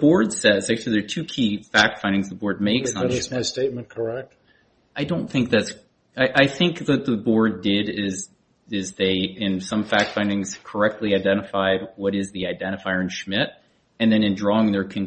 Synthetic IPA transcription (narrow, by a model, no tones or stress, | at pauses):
b̥ɔɹdsɛtzæk̚t͡ʃʉl̩ˠiðə˞tʰʉkʰifæk̚tfãɪ̃ndɪ̃ŋzðəbɔɹd̚meɪks̩ɾɨzmaɪsteɪt̚mə̃nkʰə˞ɛk̚t̚ | aɪdõʊ̃nθɪ̃ŋk̚ðæts | aɪʔaɪθɪ̃ŋk̚ðɨt̪̚ðəbɔɹdɪɾɪz | ɪzðeɪɪ̃nsʌ̃ɱfæk̚tfãɪ̃ndɪ̃ŋz̥kʰə˞ɛk̚tʰˡliaɪdɛ̃ɾ̃ɨfaɪd̚wʌɾɪzðiaɪdɛ̃ɾ̃ɨfaɪə˞ɨ̃nʃmɪɾ | ɨ̃nðɨ̃nɨ̃ndɹɔɪ̃ŋðə˞kʰɨ̃n